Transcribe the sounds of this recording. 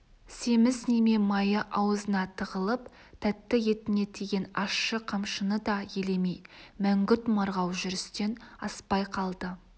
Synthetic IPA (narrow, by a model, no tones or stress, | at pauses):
se̞mɪzneme̞mɑjəʔɑwəzənɑt̪ʰəʁəlˠəp | t̪ʰæt̪ːɪje̞t̪ɪne̞t̪ʰe̞ɡʲe̞nɑʃːəqʰɑmʃənəd̪ɑjele̞mejmæŋɡʲʏt̪mɑɾʁɑwʒʏɾɪst̪e̞nɑspɑjqʰɑlˠd̪ə